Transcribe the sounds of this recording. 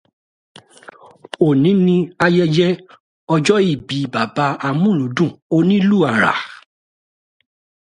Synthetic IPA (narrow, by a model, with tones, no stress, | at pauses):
o˨nĩ˨˦nĩ˧a˧jɛ˧d͡ʒɛ˦ | ɔ˧d͡ʒɔ˦i˦˨bi˨˦ba˨ba˧˦a˧mũ˦˨ũ˨˦dũ˦˨o˦nĩ˦lu˦˨a˨ɾa̰˨